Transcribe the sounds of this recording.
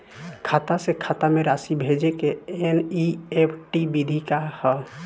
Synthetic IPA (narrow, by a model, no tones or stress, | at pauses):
kʰat̪asekʰat̪ameɾasibʱed͡ʒekeeniepʰʈibid̪ʱikahə